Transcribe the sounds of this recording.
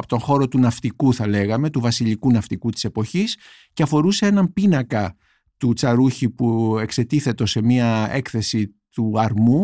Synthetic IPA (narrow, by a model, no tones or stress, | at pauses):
pot̪o̞ŋxo̞ɾo̞t̪unɐft̪ikuθɐle̞ɣɐme̞t̪uvɐsiʎikunɐft̪ikut̪i̥se̞po̞çis | ceɐfo̞ɾuse̞e̞nɐmpinɐkɐ | t̪ut͡sɐɾuçipue̞kse̞t̪iθe̞t̪o̞se̞miɐe̞kθe̞si | t̪uɐɾmu